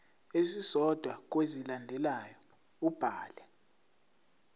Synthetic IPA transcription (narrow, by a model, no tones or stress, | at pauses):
esisɔd̥ʱwak̬wezilandʱɛlajɔ | ub̥ʱaːlɛ